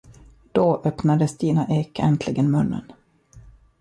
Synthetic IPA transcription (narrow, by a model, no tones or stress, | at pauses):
d̪̥oːʔœpnad̪əst̪iːnaʔeːkɛ̰nt̪ʰlɪɡənmɵnːə̰n